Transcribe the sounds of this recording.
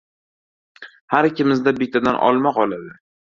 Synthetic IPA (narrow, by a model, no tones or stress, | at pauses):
haɾkʲʰɪmɪzd̪abɪt̪ʰːad̪anʔɒ̰lˠmaqʰɒlad̪ɪ